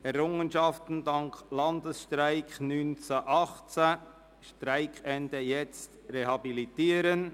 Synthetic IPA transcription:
ɛɾʊŋənʃɑftn̩dɑŋklɑndəsʃtɾaɪknynt͡səʔɑχt͡sa | ʃtɾaɪkʰɛndəjɛt͡strehɑbilitiːəɾən

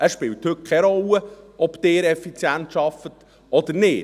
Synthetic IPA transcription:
əsʃpɪːlthɵt̚kʰɛɾɔlːəɔbt̪ɪːɾɛfit͡sjæntʃɑfət | ɔd̪əɾnɪː

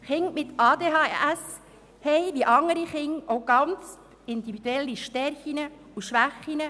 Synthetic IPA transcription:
χɪŋmɪt̪ɑːd̪eːɦɑːæs | hɛɪʋiəʔɑŋəɾiχɪŋʔoʊɡɑnt͡s | ɪnd̪ivid̥̪ɛlːiʃtɛɾχinə | uʃʋæχinə

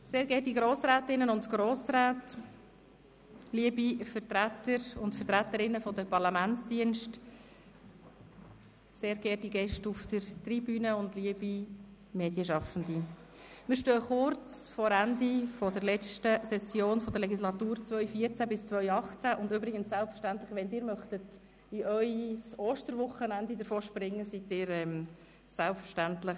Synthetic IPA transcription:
seːɾɡɛːɾdiɡɾoːsɾæːtɪnːənʊntɡ̥ɾoːsɾaːt | liəbifəɾtɾætːəɾʊntfəɾt̪ɾæt̪əɾɪnːəfɔdəpɑɾlɑmænt͡sd̥iənʃt | seːɾɡ̥ɛːd̥iɡɛʃtufd̥əɾtribyːnəʊndliəbi | meːd̥jəʃɑfən̩di | mɪːɾʃtøːχʊɾt͡sfɔɾændifɔd̥əɾlɛt͡stəsɛsjoːnfɔd̥̪əɾlɛɡislɑt̪uːɾt͡svœʏfiət͡sæbɪst͡sʋœʏɥɑχt͡sæʔʊndyːbɾɪɡənssælpfəɾʃtænt̪ləχʋɛndɪːɾmœχtət | ɪʔœʏsoːʃtəɾʋʊχənændid̪əɾfoːʃpɾɪŋːəsitɪːɾɛm | sælpfəʃtæntlɪχ

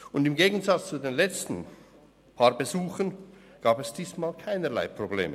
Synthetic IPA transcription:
ʊndɪmɡeːɡən̩zat͡st͡sudeːnlɛt͡stn̩ | pʰaːʁbezuːxən | ɡ̥aːbɛsd̥iːsmaːlkʰaɪnəla̰ɪpʁ̥oblḛːmə

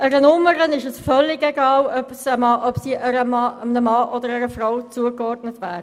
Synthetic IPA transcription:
əɾənʊmːəɾənɪʃəsfœlːɪɡeɡɑːlœpsəmɑʔœpsiʔæɾəmɑənəmɑʔɔd̪əɾæɾəfɾawt͡suəkɔrdnətʋæːɾə

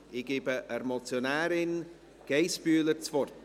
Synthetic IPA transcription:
iɡɪbəʔəɾmɔlt͡sjɔnaɾɪn | ɡ̥ejsbyːlˠərtʰvɔr

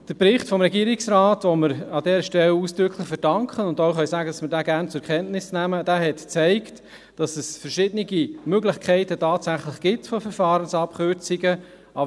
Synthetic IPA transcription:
d̥əpɾɪχtfɔmɾɛɡiːɾɪksɾaːtʋɔməɾɑdɛːɾəʃtɛluːsd̥ɾʏkʰlɪχfəɾd̥ɑŋkχənʊndoʊχœsæːɡədɑsməɾdæːɡæːnt͡sʊɛkʰɛntnɪsnæməd̥æːɦɛtt͡sæɪkt | d̥ɑsɛsfəɾʃɪdəniɡimøɡlɪχkʰχɛɪtətɑːtsæχlɪχɡ̥ɪtfɔfɛɾfɑːɾənsɑpkøɾt͡siɡə | ʔɑb

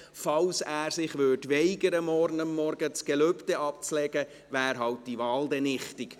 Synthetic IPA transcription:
fɑwsæːɾsɪχʋøːdʋɛɪɡəɾəmɔɾnəmːɔɾɡ̥ət͡sɡ̥ɛløptɛʔɑp̚t͡slɛɡ̥ə | ʋæːɾɦɑwt̚d̥iʋɑldɛnɪχtɪk

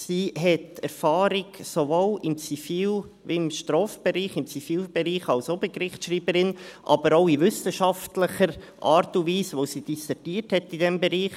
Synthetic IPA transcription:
siːɦɛtɛɾfɑːɾɪɡsovoːlɪmt͡sifiːl | ʋimʃtɾoːfb̥ɛɾiːχɪmt͡sifiːlb̥ɛɾiːχɑlsobəkɾɪχtʃɾiːbəɾɪnʔɑ̰b̥əɾoʊiʋʏsəʃɑftləχəɾ | ʔɑːɾtuviːsʋosid̥isɛtiːəthɛtidɛmbɛɾiːχ

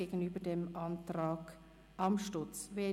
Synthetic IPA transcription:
eːɡn̩yːbədeːmʔɑntrɑːɡ | ʔɑmʃtʊt͡sveː

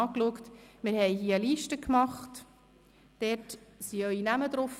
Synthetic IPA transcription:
ɑːkluəktmɪɾhɛɪhiəəliːʃtəkmɑχt | d̥ɛrtsiœʏinæmədɾof

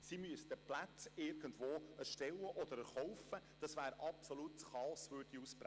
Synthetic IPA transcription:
simyəst̪əplat͡sɪɾɡ̥əndʋoːɛɾʃtɛlːəʔɔd̥̪əɾəɾχɔʊfəd̥ɑsʋæːɾɑpsolutχɑɔsʋøːɾdiuspɾæ

